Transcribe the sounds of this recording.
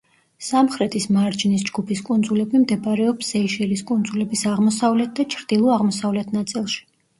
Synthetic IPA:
samχɾɛt̪ʰʼismaɾd͡ʒnisd͡ʒɡupʰiskʼund̪zulɛbimd̪ɛbaɾɛɔpsɛiʃɛliskʼund̪zulɛbisaʁmɔsavlɛt̪̚d̪at͡ʃʰɾd̪̥ilˠɔaʁmɔsavlɛt̪ʰnat̪sʼilˠʃi̥

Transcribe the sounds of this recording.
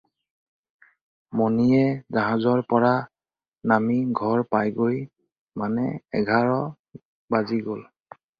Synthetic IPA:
mɔnijɛzaɦazɔɹpɔɹa | namiɡʱɔɹpajɡoj | manɛɛ̰ɡʱaɹɔ | baziɡol

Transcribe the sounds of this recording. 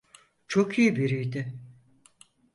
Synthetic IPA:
t͡ʃʰokʰijibiɾijd̪ɪ

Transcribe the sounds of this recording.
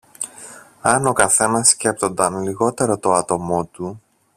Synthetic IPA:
ɐno̞kɐθe̞nɐsce̞pt̪o̞nd̪ɐnliɣo̞t̪e̞ɾo̞t̪o̞ɐt̪o̞mo̞t̪u

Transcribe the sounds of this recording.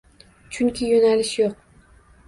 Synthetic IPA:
t͡ʃʰʊŋkʲʰɪjonalɪʃjoq̚

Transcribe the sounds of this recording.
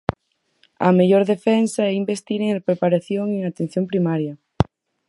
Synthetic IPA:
ɐ̰meʎoɾðefɛnsɐɛimbest̪iɾeŋpɾepaɾaθjoŋeŋat̪ẽn̟θjompɾimaɾjɐ

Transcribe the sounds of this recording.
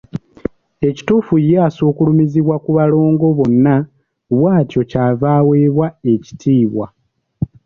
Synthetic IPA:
e̞ci̥tuːfujaːsoːkulumiziβwakuβalo̞ːŋɡo̞βo̞nːa | βwaːtjo̞caːvaːwe̞ːβwae̞ci̥tʰiːβwa

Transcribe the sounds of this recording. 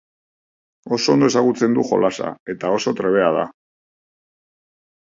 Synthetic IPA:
o̞so̞nd̪o̞e̞saɣut͡se̞nd̪uxo̞̰lasa̰e̞t̪ao̞so̞t̪ɾe̞β̞e̞að̞a̰

